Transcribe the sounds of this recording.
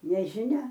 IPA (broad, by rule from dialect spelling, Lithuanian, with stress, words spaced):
nʲɛʒʲɪˈnʲɛ